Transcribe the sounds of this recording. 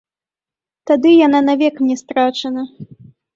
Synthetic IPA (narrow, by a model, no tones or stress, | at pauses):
t̪ad̪ɨjananavʲɛkmnʲɛst̪ɾat͡ʂɐnɐ